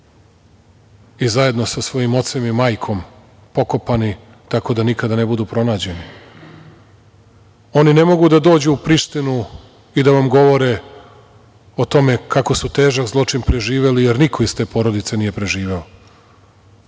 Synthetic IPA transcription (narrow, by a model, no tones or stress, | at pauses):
izaje̞d̪no̞sasʋo̞jimo̞t̪semimaːjkʰo̞m | po̞ko̞pani | t̪ako̞d̪anikad̪ane̞bud̪uːpɾo̞naːd͡ʑe̞ni | o̞nine̞mo̞ɡud̪ad̪o̞ːd͡ʑuupɾiʃt̪inu | id̪aʋamɡo̞ʋo̞ɾe̞ | ot̪o̞me̞kako̞sut̪e̞ːʒakzlˠo̞t͡ʂinpɾe̞ʒiːʋe̞lijeɾnikʰo̞ist̪e̞ːpo̞ɾod̪it̪se̞nije̞pɾe̞ʒiːʋe̞o